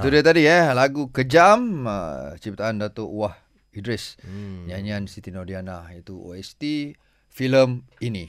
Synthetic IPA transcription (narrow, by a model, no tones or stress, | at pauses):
t̪udiət̪adiəlaɡukəd͡ʒamə̰t͡ʃip̚t̪aʔandat̪oʔwah | idɾɛsɲaɲiansit̪inɔdianajat̪uo̰ɛst̪i | filəminĩ